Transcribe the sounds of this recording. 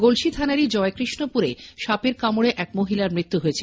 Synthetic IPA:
ɡolʃit̪ʰanaɾid͡ʑɔekɾiʃnopuɾeʃapeɾkamoɽeʔɛk̚moɦilaɾmɾit̪ːuɦojet͡ɕʰe

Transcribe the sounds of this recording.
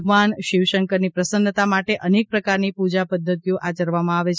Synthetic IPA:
ɡmanʃiʋʃəŋkəɾnipɾəsənd̪t̪amaʈeʔənek̚pɾəkaɾnipud͡ʒapəd̪ʱːət̪ijoʔat͡ʃəɾʋamãaʋet͡ʃʰ

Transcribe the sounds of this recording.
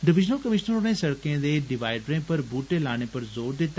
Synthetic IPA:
ɖɪʋɪʒnəlkɐmɪʃnəɾnẽsɐɽkẽd̪eːɖɪʋaːɪɖɾẽpɐɾbuːʈelaːɽ̃epɐɾzoːɾd̪ɪt̪ːa

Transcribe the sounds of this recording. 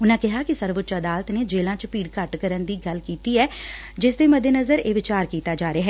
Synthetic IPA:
ʊnãːkɪɦaːkɪsəɾʋʊt̪ːt͡ʃəd̪aːlət̪neːd͡ʒeːlãːt͡ʃpiːɽkəʈkəɾənd̪iːɡəlkiːt̪iːɛː | d͡ʒɪsd̪eːməd̪ʱeːnəzəɾeːʋɪt͡ʃaːɾkiːt̪aːd͡ʒaːɾeaɦɛː

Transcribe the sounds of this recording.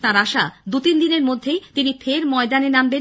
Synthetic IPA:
t̪ãɾaʃad̪ut̪ind̪ineɾmod̪ʱːejt̪inifʰeɾmɔed̪anenamben

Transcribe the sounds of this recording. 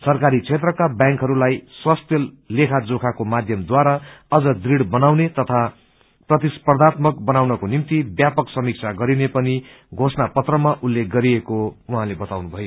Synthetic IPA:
sʌrkaɾit͡sʰet̪rʌkabjãŋkɦʌɾulajswast̪jʌ | lekʰad͡zokʰakomad̪ʱjʌmd̪waɾaʌd͡zʌd̪riɽbʌnawnet̪ʌt̪ʰa | prʌt̪isprd̪at̪mʌkbʌnawnʌkonimt̪ibjapʌksʌmik̚t͡sʰaɡʌɾinepʌni | ɡʱosnapʌt̪rʌmaʔulːek̚ɡʌɾiekouɦãlebʌt̪awnubʱʌjo

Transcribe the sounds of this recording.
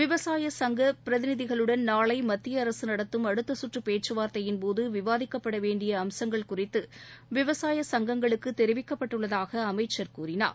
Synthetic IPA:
ʋɪʋɐsaːjɐsɐŋɡɐpɪɾɐðɪnɪðɪɣɐɭɯɽɐnnaːɭɐɪmɐt̪ːɪjɐːɾɐsɯnɐɽɐt̪ːɯmɐɽɯt̪ːɐsʊʈrɯpeːt͡ʃːɯʋaːɾt̪ɐjɪnpoːðɯʋɪʋaːðɪkːɐpːɐɽɐʋeːɳɖɪjɐːmsɐŋɡɐɭkʊrɪt̪ːɯʋɪʋɐsaːjɐsɐŋɡɐŋɡɐɭɯkːɯt̪ːɛɾɪʋɪkːɐpːɐʈːɯɭːɐðaːɣɐːmɐɪt͡ʃːɐɾkuːɾɪna̰ːɾ

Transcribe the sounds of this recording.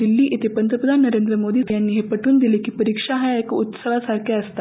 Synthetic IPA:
d̪ilːiːʔit̪epənt̪ɾəpɾəd̪ʱanːəɾend̪ɾəmod̪iːjanːiːɦepəʈʰuːnd̪ilekiːpəɾikʂaɦajekaut̪səʋ̤asaɾkʰjaəst̪a

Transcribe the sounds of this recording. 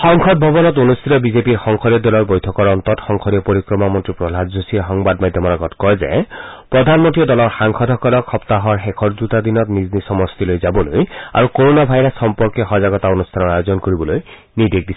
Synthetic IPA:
xɔŋkʰɔd̚bʱɔbɔnɔtonust̪ʰitɔbizepiɹxɔŋkʰɔɾiɔdɔlɔɹbojtʰɔkɔɹɔnt̪ɔtxɔŋkʰɔɾiɔpoɹikɹɔmamɔntɹipɹɔlʱazusixɔŋbadmajdʱjɔmɔɹaɡɔtkɔjzɛ̰pɹɔdʱanmɔntɹiɔdɔlɔɹxaŋkʰɔdʱɔkɔlɔkʰɔptaɦɔɹxɛkʰɔɹzutadinɔtniznisɔmɔstilojzabɔloja̰ɹukoɹonabʱajɹasxɔmpɔɹkɛxɔzaɡɔtaonustʰanɔɹajozɔnkoɹibɔloj | nidek̚disɛ̥

